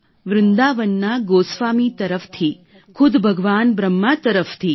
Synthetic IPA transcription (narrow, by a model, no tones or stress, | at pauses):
ʋɾɪnd̪aːʋənːaɡoːsʋaːmit̪ɐɾəfʰt̪ʰi | kʰʊd̪bʱəɡʋaːnbɾəmːat̪əɾəfʰt̪ʰi